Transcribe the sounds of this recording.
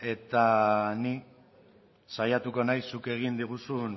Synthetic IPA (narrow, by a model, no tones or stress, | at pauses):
e̞t̪ani | sajat̪uko̞najsːuke̞ɣind̪iɣ̞usun